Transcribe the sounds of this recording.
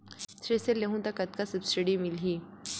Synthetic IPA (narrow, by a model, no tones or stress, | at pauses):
tɾeselːeɦũt̪akɐt̪̚kasɐbsiɖimɪlɦiː